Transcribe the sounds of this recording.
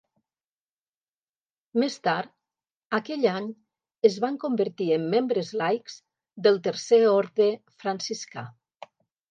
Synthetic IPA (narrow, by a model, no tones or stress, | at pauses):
mest̪aɾt̪ | akɛʎaɲ | əzβaŋkombəɾt̪iəmːembɾəzlajkz̥ | d̪əlˠt̪əɾseɔɾðɾə | fɾansiska̰